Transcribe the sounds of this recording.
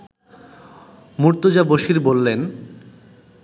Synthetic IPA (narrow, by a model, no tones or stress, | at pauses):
muɾt̪od͡ʑaboʃiɾbolːen